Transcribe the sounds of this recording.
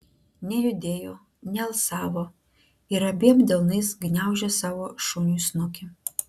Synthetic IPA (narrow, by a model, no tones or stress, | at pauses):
nʲɛjʊd̪ʲeːjo | nʲɛlˠsaːvo | iɾɐbʲiɛmd̪ʲɛlˠnɨsɡnʲawʒʲɛsaːʋoʃunʲusnokʲʰɪ